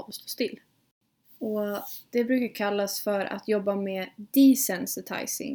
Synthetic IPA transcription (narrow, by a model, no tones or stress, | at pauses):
ɔst̪o̥ːst̪ɪlː | ɔd̪̥ɛbɾʉ̟ːkaɾkʰalːasfœɾʔa̰t̪jɔbːameːd̪iːsɛnsɪt̪ʰa̰jsɪ̰ŋ